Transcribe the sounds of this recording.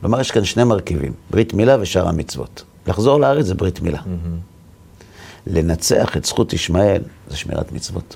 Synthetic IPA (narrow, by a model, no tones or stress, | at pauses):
ɡlomajeʃkanʃnemaʁkivḭmbʁitmilaveʃaʁa̰mit͡svo̞̰t | laχzo̞ʁlaaʁet͡szebʁitmila | lenat͡se̞̰aχetsχutiʃmae̞lzeʃmḭʁa̰tmit͡svo̞̰t